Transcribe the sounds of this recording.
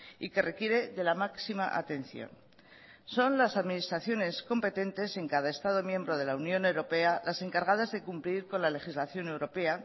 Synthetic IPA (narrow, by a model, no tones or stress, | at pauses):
ike̞re̞kje̞ɾe̞ðe̞lamaksima̰ʔa̰t̪e̞n̟θjo̰n | so̞nlasaðminist̪ɾaθjo̞ne̞sko̞mpe̞t̪e̞nt̪e̞se̞ŋkað̞ae̞st̪að̞o̞mjẽ̞mbɾo̞ð̞e̞launjõ̞ne̞wɾo̞pe̞alʔase̞ŋkaɾɣaðazðe̞kumpliɾko̞nlale̞xizlaθjo̞ne̞wɾo̞pe̞a